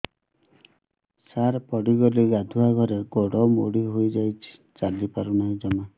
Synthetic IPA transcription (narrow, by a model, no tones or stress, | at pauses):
saɾpɔɽiɡɔliɡad̪ʱuaɡʱɔɾeɡɔɽɔmoɽiɦojd͡ʒajt͡ʃʰi̥ | t͡ʃalipaɾunaĩd͡ʒɔma